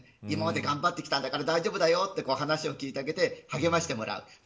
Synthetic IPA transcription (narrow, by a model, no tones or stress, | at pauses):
imamad̪e̞ɡãmbat̪ːe̞kʲi̥t̪ãnd̪akaɾad̪aiʑo̞ːbɯd̪ajo̞t̪ːe̞ko̞ːɦanaɕio̞kʲiːt̪e̞aɡe̞t̪e̞haɡe̞maɕi̥t̪e̞mo̞̰ɾʔa̰ɯ̟̰